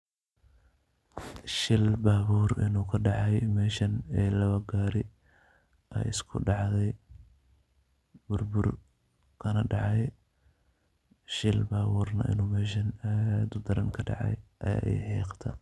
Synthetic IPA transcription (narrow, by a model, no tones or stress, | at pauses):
ʃɪlbaːβuːrɪ̰nuːkʰɐɖɑʕɑjmɛːʃɐnɛːlɐβɐɡaːɾɪ | ʔɛ̰jɪ̰skʰʊ̰ɖɑʕðɛj | b̥ʊrbʊr | kʰɐnɐɖɑʕɑj | ʃɪlbaːβuːrnɐ̰ʔɪ̰nuːmɛːʃɐnad̪ʊd̪ɐɾɐŋkʰɐɖɑ̰ʕɑ̰jʔɐja̰ːʔɛ̰jħɛːqt̪ʰɐ̰